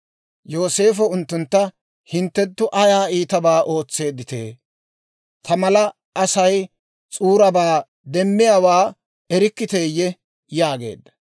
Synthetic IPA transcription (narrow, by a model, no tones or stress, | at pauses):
jo̞ːse̞ːfɔʊnt̪ːʊnt̪ːɐ | hɪnt̪ːɛt̪ːʊʔɐjaːiːt̪ɐbaːʔo̞ːt͡sːe̞ːd̪ːɪt̪e̞̰ː | t̪ʰɐmɐlɐ | ʔɐsɐj | t͡sʼuːɾɐbaː | d̪ɛmːɪjaːwaː | ɛɾɪkːɪt̪ejːɛ | jaːɡe̞̰ːd̪ːɐ̥